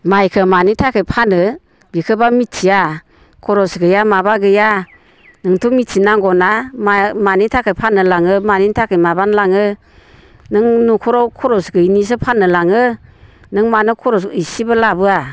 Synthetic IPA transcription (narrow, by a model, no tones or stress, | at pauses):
majkʰɯmanitʰakʰɯjpʰanɯ | bikʰɯbamitsia | kʰɔɾɔsɡɯjamabaɡɯja | nɯŋtʰumitsinaŋɡɔnamanitʰakʰɯjpʰanɯlaŋɯmanintʰakʰɯjmabanlaŋɯ | nɯŋnukʰɔɾɔkʰɔɾɔsɡɯjnis̬ɯpʰanɯlaŋɯnɯŋmanɯkʰɔɾɔs̬ɯjsibɯlabɯa